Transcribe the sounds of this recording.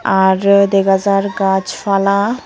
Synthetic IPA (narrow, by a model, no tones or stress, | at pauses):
aɾd̪eɡazaɾɡad͡ʑfala